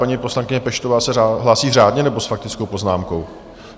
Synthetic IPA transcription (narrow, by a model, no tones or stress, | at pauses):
paɲiːpo̞slankɪɲɛpɛʃt̪o̞vaːsɛaɦlaːsiːraːdɲɛnɛbo̞sfak̚t̪ɪt͡sko̞wpo̞znaːmko̞w